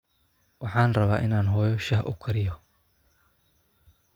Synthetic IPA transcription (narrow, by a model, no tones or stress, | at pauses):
wɑħɑːnrɐβaːʔɪnaːnɦɔːjɔʃɐɦʔʊ̰kʰɐɾɪjɔ